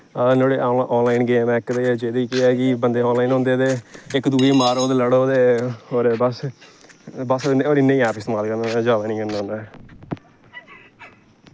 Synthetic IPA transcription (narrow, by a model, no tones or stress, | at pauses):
ənoːɽeːʔɔːnlaːinɡeːmɛ̃ɪkd̪eːd͡ʒeːd̪iːkɪɛːkɪbənd̪eːɔ̃ːnlaːiːnɦõːnd̪eːt̪eːɪkd̪uːeːmaːɾoːd̪eːləɽoːd̪eːhoːɾeːbəs | bəsoneoːɾɪnːẽĩɛːpɪst̪maːlkəɾnːd͡ʒaːʋaːnĩːkənanaː